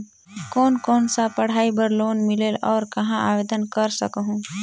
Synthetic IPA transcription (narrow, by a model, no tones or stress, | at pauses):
kɔːnkɔːnsapɐɽ̤aːibəɾloːnmɪleːlɔːɾkɐɦãa̰ːʋeːd̪ənkɐɾsɐkɦũː